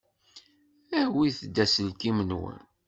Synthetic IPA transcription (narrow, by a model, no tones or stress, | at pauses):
æhwiθd̪ːæsəlkimənwə̰n